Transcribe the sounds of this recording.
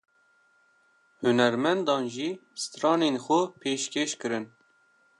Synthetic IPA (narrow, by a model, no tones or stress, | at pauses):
hʊnɛɾmɛnd̪ɑːnʒiːsɨ̥t̪ɾɑːneːnxʊpʰeːʃkʰeːʃkɨɾɨn